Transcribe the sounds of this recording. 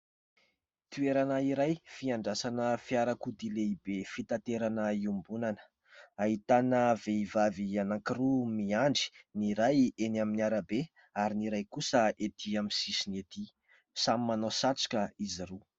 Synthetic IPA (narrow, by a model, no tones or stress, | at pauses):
t̪ueɾanəiɾajfiaɳɖ͡ʐasanəfiaɾakud̪ileibefit̪at̪eɾanəiumbunanə̥ | aɦit̪anəveivavianaŋkirumiaɳɖ͡ʐi̥niɾajenaminiaɾabe | aɾiniɾajkusəet̪ʰiaminsisinet̪i | samimanosat͡si̥kʲəiziɾu